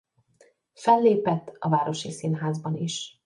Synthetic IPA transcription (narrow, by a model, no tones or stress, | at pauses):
fɛlːeːpɛt̪ːɒvaːɾo̞ʃisinɦaːzbɒniʃ